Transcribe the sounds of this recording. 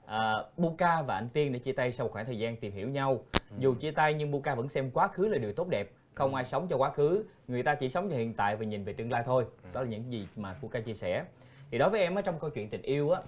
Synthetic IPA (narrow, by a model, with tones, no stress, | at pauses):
ʔəː˨˩ɓu˧kaː˧vaː˨˩ʔa˧jŋ̟t̪i˧ənɗḛ˧˥t͡ɕi˧t̪a˧jsa˧w̚xwaː˧˩t̪ʰəː˨˩zaː˧nt̪i˨˩mhi˧˩əwɲa˧wzu˨˩t͡ɕi˧ət̪a˧jɲɨ˧ŋɓu˧kaː˧və̰˧˥nsɛ˧mkwaː˨˦xɨ˨˦laː˨˩ɗi˨˩əwt̪o˦˥t̚ɗɛ˨˩p̚ | xə˧wŋ͡mʔaː˧jsə˨˦wŋ͡mt͡ɕɔ˧kwaː˨˦˥xɨ˨˦ | ŋɨ˨˩əjt̪aː˧t͡ɕḭ˧˩˦sə˨˦wŋ͡mt͡ɕɔ˧hḭ˧˨ənt̪a̰ː˧˨jvaː˨˩ɲi˨˩nve˨˩t̪ɨ˧əŋlaː˧jt̪ʰo˧jɗɔ˨˦laː˨˩ɲɨ̰˧˥ŋzi˨˩maː˨˩ɓu˧kaː˧t͡ɕi˧əsɛ̰˧˩ | t̪ʰi˨˩ɗɔ˨˦vəː˨˦jʔɛ˧mʔaː˨˦t͡ɕɔ˧wŋ͡mkə˧wt͡ɕwḭ˧˨ənt̪ï˨˩ŋ̟ʔi˧əwʔaː˨˦˥